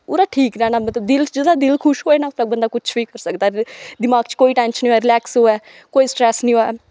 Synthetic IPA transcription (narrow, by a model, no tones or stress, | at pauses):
ʊːɾaːʈʰiːkɾɛːnaːmət̪ləbd̪ɪld͡ʒɪd̪aːd̪ɪlkʰʊʃɦoːeːnaːʊt̪ɾabənd̪aːkʊt͡ʃʰʋiːkəɾsəkd̪aːd̪ɪmaːɡt͡ʃkoːiːʈɛ̃ːnʃnĩːoɛːɾɪlɛːksɦoːɛː | koːiːsʈɾɛːsnĩːɦoːɛː